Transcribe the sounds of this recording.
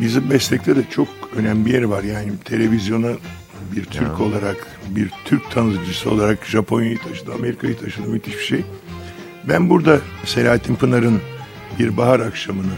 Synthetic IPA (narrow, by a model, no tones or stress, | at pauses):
bizimbɛslʲɛc̚t̪ʰɛd̪ɛt͡ʃʰo̞k̚ø̞næmbijæɾivaɾjaːnit̪ʰe̞lʲe̞vizjo̞na | biɾt̪ʰyɾcʰo̞lˠaɾak | biɾt̪ʰyɾc̚t̪ʰanzd͡ʒɯsɯo̞lˠaɾakʒapʰo̞njajit̪ʰaʃɯd̪ɯame̞ɾikʰajɯt̪ʰaʃɯd̪ɯmyt̪ʰiʃbi̥ʃej | bænbuɾd̪ase̞lʲaːɦat̪ʰimpɯnaɾɯn | biɾbaɦaɾakʃamɯnɯ